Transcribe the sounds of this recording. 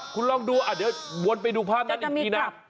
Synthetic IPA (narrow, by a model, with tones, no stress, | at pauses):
kʰu˧nlɔ˥˩ŋduː˧ʔa˨˩dəː˦˥˩wu˧ənp̬a˧jduː˧pʰaː˥˩p̚na˦˥nʔa˧˨˧na˦˥